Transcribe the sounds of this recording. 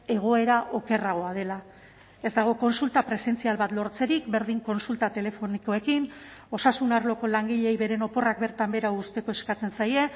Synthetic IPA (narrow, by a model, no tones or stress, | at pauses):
e̞ɣ̞o̞e̞ɾaʔo̞ke̞raɣ̞o̞að̞e̞la | e̞zd̪aɣ̞o̞ko̞nsult̪apɾe̞se̞nt͡sialβat̪lo̞ɾt͡se̞ɾikbe̞ɾðiŋko̞nsult̪at̪e̞le̞fo̞niko̞e̞kino̞sasunarlo̞ko̞laŋɡiʎe̞jβe̞ɾe̞no̞po̞rakbe̞ɾt̪ambe̞ɾawust̪e̞ko̞e̞skat͡se̞nsaje̞